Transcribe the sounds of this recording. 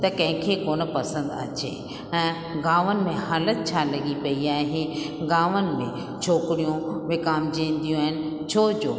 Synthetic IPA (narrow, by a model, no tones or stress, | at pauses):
t̪ɐkɐ̃ɦɪ̃kʰekoːnə̆pɐsə̃nd̪ɐ̰t͡ɕḛː | ɛ̃ː | ɡaːʋənɪ̆mẽhaːlət̪̚t͡ɕʰalɐɠipɐiaːɦeɡaːʋənɪ̆mẽ | t͡ɕʰoːkɪɽijũʋɪkaːmd͡ʑẽːnd̪ijũaːɦɪnɪ̆ | t͡ɕʰoːd͡ʑoː